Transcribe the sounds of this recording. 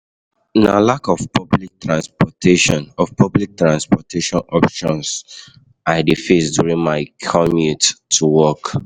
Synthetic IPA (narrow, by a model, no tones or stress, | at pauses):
nalakɔvpʰɔblik̚tɹãnspɔtʰeʃɔ̃nɔvpʰɔblik̚tɹãnspɔtʰeʃɔ̃nɔpʃɔ̃ns | aɪdefesdjuɹĩŋmaɪkʰɔmittʰːuwɔk